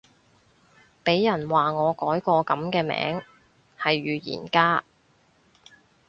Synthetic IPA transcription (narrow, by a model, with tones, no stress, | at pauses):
pe˨˥jjɐ˨˩nwaː˨˩ŋɔː˨˧kɔː˨˥jkʷɔː˧kɐ˨˥mkɛː˧mɛ̰ː˨˥ŋ | hɐ˨jɥyː˨˧jḭː˨˩nkaː˥